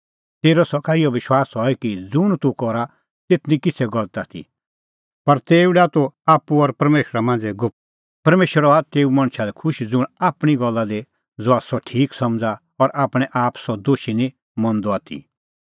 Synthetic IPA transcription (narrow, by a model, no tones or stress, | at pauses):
t̪eːɾɔsɔkaɪjɔʋɪʃwaːsɦɔɛkid͡zʊɽ̃t̪ukɔɾa | t̪et̪ʰnĩkɪt͡sʰɛɡɔlət̪at̪ʰḭ | pɐɾt̪eːuɽat̪oaːpːuɔɾpɐɾmeːʃɾamãːnd͡zɛɡʊ | pɐɾmeːʃəɾɔat̪eːumɐ̃ɽ̃ʃʰalɛkʰʊʃd͡zʊɽ̃aːpɽ̃iɡɔlːad̪e | d͡zʊasɔʈʰiːksɐ̃md͡za | ɔɾʔaːpɽ̃ɛʔaːpsɔd̪oːʃinĩ | mɔ̃nd̪ɔaːt̪ʰḭ